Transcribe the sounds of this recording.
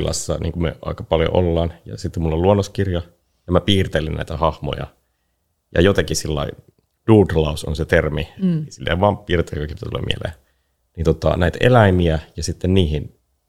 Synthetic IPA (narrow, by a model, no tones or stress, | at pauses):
lɑ̰sːɑ̰nʔḭːŋkumḛʔɑ̰ikɑpɑljo̰ʔolːɑːnjɑ̰sit̪ːemulːolluonːoskirjɑ | jɑmæpiːrt̪elinnæ̰it̪æhɑhmo̰jɑ̰ | jɑ̰jot̪ɑkisilːɑ̰i | d̥uːdlɑuso̰nset̪erminisilːḛʋɑːmpiːrt̪ekɑkipt̪æt̪ulḛmḭḛlḛː | niot̪ːɑ̰næit̪ḛlæimiæjɑsit̪ːenniːhin